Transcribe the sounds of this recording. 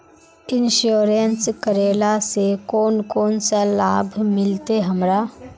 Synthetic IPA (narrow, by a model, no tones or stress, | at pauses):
ɪnʃoːɾenskəɾeːlasekoːnkoːnsəlaːbʱmɪlt̪eɦəmɾa